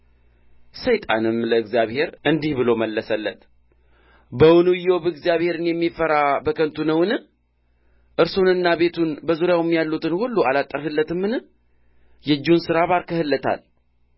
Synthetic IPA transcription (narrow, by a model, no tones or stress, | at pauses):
səjt̪ʼa̰nɨmləɨɡzijaβhe̞ɾɨnd̪ihbɨlo̞məlːəsəlːət̪ | bəwʊnujowbɨɡzijaβhe̞ɾɨnjɛmːifəɾabəkʰənt̪ʰunəwɨnɨh | ʔɨɾsonɨnːaβe̞t̪ʰunbəzuɾjawmːjalːut̪ɨnhulːualat̪ʼːəɾhɨlːət̪ɨmːɨnɨ | jɛd͡ʒːɪunsɨɾaβaɾkʰəhɨlːət̪ʰa̰l